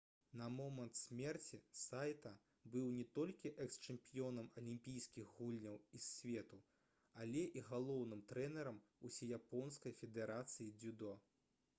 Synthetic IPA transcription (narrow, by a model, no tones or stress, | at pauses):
nɐmɔmɐnt̪sʲmʲɛrt͡sʲisajt̪ɐ | bɨwnʲɛt̪ɔlʲkʲiʔɛkst͡ʂɛmpʲijɔnɐmɐlʲimʲpʲijskʲixɣulʲnʲɐwisːʲvʲɛt̪u | ɐlʲɛʔiɣalˠɔwnɨmt̪ɾɛnɛɾɐmusʲɛjapɔnskɐjfʲɛd̪ɛɾat̪sɨjid͡zʲud̪ɔ